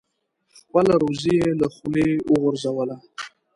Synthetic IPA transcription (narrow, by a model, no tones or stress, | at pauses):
palaɾozijeləχulewəɣʊɾzawəla